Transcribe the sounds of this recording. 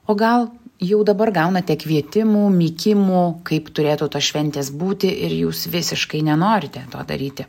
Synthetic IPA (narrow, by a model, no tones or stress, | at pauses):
oːɡɐlˠjɛʊd̪ɐbɐrɡɐʊnɐt̪ʲɛkʋʲiɛt̪ʲɪmuːmʲiːkʲɪmuːkɐɪpt̪ʊɾʲeːt̪uːt̪oːsʃʲʋʲɛnʲt̪ʲeːsbuːt̪ʲɪʔɪɾjuːsʋʲɪsʲɪʃkɐɪnʲɛnoːɾʲɪt̪ʲɛt̪o̰ːd̪ɐ̰ɾʲiːt̪ʲɪ